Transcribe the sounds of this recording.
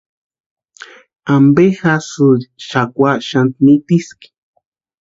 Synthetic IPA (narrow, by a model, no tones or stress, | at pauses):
ambexasuɾʃakwaʃant̪̚nit̪iski̥